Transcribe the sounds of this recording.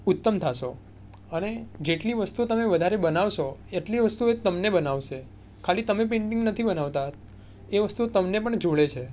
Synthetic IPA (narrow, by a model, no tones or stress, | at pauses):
ʊt̪ːəmt̪ʰaʃo | əned͡ʒeʈliʋəst̪ut̪əmeʋəd̪ʱaɾebənaʋʃoeʈliʋəst̪uet̪əmnebənaʋʃe | kʰalit̪əmep̬ẽɳʈɪ̃ŋɡnət̪ʰibənaʋt̪a | eʋəst̪ut̪əmnepəɳd͡ʒoɭet͡ʃʰe